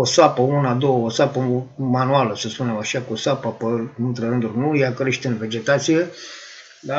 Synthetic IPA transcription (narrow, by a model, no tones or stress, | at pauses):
osapəunad̪o̞wəosapəmanualəsəspune̞maʃakosapəpəɨnt̪ɾeɾɨnd̪urʲnujeakɾe̞ʃt̪eɨnve̞d͡ʒe̞t̪at̪sije̞ | la